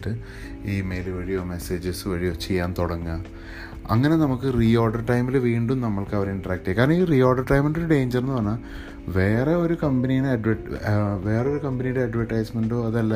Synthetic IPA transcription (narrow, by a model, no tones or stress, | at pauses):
ʈːɨ | iːme̞jlʋɐɻijo̞ːme̞se̞ːd͡ʑɐsʋɐɻijot͡ɕːejːaːnt̪oɽɐŋːɐ | ɐŋːɐne̞nɐmukːɨriːo̞ːɖɐrʈɐjmilʋiːɳɖumnɐmːɐɭkɐʋɐɾiɳʈɐraːk̚ʈːekaːɾɐɳɐiːriːoːɖɐrʈɐjmeɳɖo̞ɾuɖe̞ːɲd͡ʑɐrenːɨpɐrnːa | ʋe̞ːreo̞ɾukɐmbɐnijaneɐɖʋɐʈʋe̞ːreo̞ɾukɐmbɐnijuɽeɐɖʋɐrʈːɐjsmeɳɖo̞ːɐðɐlːa